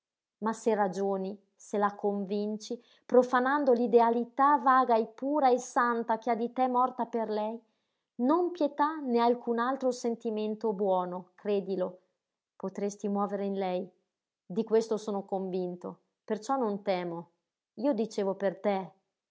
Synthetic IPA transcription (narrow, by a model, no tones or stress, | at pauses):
maserad͡ʒoːni | selakoɱvint͡ʃi | pɾofanand̪olid̪ealit̪avaːɡaepːuːɾaesant̪akead̪it̪ɛmɔrt̪aperlɛj | nompjet̪anealkʰunalt̪ɾosent̪iment̪obwɔːnokɾeːd̪ilo | pot̪ɾest̪imwɔːveɾeinlɛj | d̪ikwest̪osoːnokoɱvint̪o | pert͡ʃɔnont̪ɛːmo | iːod̪it͡ʃeːvopert̪e